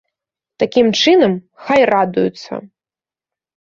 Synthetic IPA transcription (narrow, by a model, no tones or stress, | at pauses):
t̪akʲimt͡ʂɨnɐm | xajrad̪ujut̪sɐ̰